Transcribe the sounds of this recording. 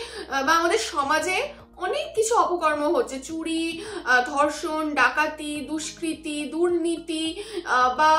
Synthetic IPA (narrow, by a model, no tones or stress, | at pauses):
baamad̪eɾʃɔmad͡ʑe | ɔnekːit͡ɕʰuɔpokɔɾmoɦotːɕʰet͡ɕuɽid̪ʱɔɾʃonɖakat̪id̪uʃkɾit̪id̪uɾnit̪i | ba